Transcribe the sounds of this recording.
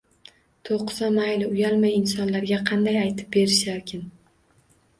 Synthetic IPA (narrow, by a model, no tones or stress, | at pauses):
t̪ʰoqːɨzamajlɪʊjalmajɪnsɒnlaɾɡʲaqʰɑnd̪ajajt̪ʰɪ̥p̚be̞ɾɪʃlaɾkʲʰɪn